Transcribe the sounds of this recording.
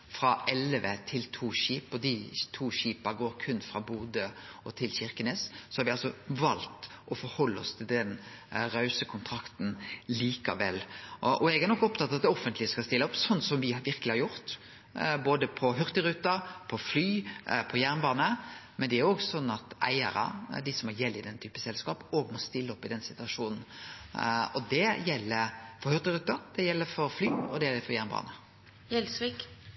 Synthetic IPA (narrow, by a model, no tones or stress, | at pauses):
fɾɑʔɛlʋət̪ʰɪlt̪ʰuːʃiːpɔd̪ɪt̪ʰuːɕiːpəɡoːɾkʰʉnːfɾɑbuːd̪əɔt̪ʰɪlçɪɾkəneːssɔhɑɾʋɪɑlsɔʋɑlt̪ʔɔfɔɾhɔlːəɔ̰st̪ʰɪld̪ɛnɾɑʉsəkʰʊnt̪ʰɾɑkt̪n̩liːkɑ̰ʋɛlːʔɔɛɡæɾnɔkːɔpt̪ʰɑt̪ːɑt̪̚d̪ɛɔfənt̪lɪskɑst̪ɪlːəɔpsɔnːsɔmʋɪʋɪɾkəlɪhɑɾjʊɾt̪ | boːd̪əpʰɔɦʉʁt̪əɾʉt̪ːɑpʰɔflyːpʰɔjæɾnbɑːnəmɛnd̪ɛæɾjoːɡsɔnːɑt̪ʔæ̰ɪə̰ɾɑ̰d̪ɪsɔmɔjɛlːɪd̪ɛnt̪ʰyːpə̥sɛlskɑːpoːɡmɔst̪ɪlːəɔpːɪd̪ɛnsɪt̪ʉɑʂuːnn̩ | ɔd̪ɛjɛlːəɾfɔɾhʉɾt̪əɾʉːt̪ːɑd̪̥ɛjɛlːəɾfɔɾflyːɔd̪ɛjɛlːəɾfɔɾjæɾnbɑ̰ːnə | jɛlsʋik